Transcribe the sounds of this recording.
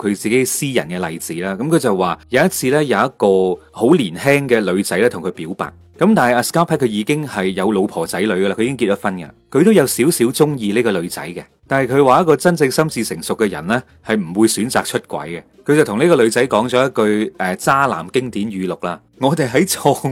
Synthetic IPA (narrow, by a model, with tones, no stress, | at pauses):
kʰɵ˨˧ɥt͡siː˨ke˨˥jsiː˥jɐ̰˨˩nkɛ˧lɐ˨jt͡siː˨˥laː˥kɐ˨˥mkʰɵ˨˧ɥt͡sɐ˨wwaː˨˩jɐ˨˧wjɐ˥t̚t͡sʰiː˧lɛː˥jɐ˨˧wjɐ˥t̚kɔː˧ho˨˥wliː˨˩nhɛː˥ŋkɛː˧lɵ˨˧ɥt͡sɐ˨˥jlɛː˥t̪ʰʊ˨ŋkʰɥpiː˨˥wpa̰ː˨˩t̚ | kɐ˨˥mt̪aː˨nɐ˨˩aː˧skaː˥pʰɛː˥t̚kʰɵ˨˧ɥjiː˨˧kɪ˥ŋhɐ˨jːɐ˨˧wlo˨˧wpʰɔː˨˩t͡sɐ˨˥jlɵ˨˧ɥɡla˧kʰɵ˧i˨˥kɪ˥ŋki˧t̚jɐ˥fɐ˥nkɐ̰˧kʰɵ˨˧ɥt̪o˥wjɐ˨˧wsiː˨˥wsi˨˥wt͡sʊ˥ŋjiː˧liː˥kɔː˧lɵ˨˧ɥt͡sɐ̰˨˥jkɛ˧t̪aː˨nhjkʰɵ˨˧ɥwaː˨˧jɐ˥tkːɔː˧t͡sɐ˥nt͡sɪ˧ŋsɐ˥mt͡siː˧sɪ˨˩ŋsʊ˨kːɛ˧jɐ̰˨˩nlɛ˥ | hɐ˨jm̩˨˩wuː˨˧jsyː˨˥nt͡sa̰ː˨k̚t͡ʃʰɵ˥t̚kʷɐ̰˨˥jɡɛ˧kʰɵ˧ɥt͡sɐ˨wt̪ʰʊ˨˩ŋniː˥kɔː˧lɵ˨˧ɥt͡sɐ˨˥jkɔː˨˥ŋt͡sɔ˨˧˥jɐ˥t̚kɵ˧ɥʔɛː˨t͡saː˥la̰ː˨˩mkɪ˥ŋt̪iː˨˥nɥyː˨˧lʊ˨k̚laː˧ | ŋɔː˨˧t̪e˨jɦɐ˨˥jt͡sʰɔː˧ŋ